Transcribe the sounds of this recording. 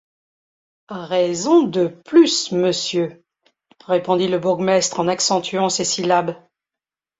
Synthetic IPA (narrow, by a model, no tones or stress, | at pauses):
ʁezɔ̃d̪əplysməsjø | ʁepɔ̃d̪iləbuʁɡmɛst̪χɑ̃naksɑ̃t̪ɥɑ̃sesilab